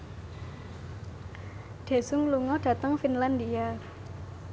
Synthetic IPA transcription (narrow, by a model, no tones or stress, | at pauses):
ɖ̥e̤sʊŋluŋɔɖ̥a̤t̪əŋfinlandia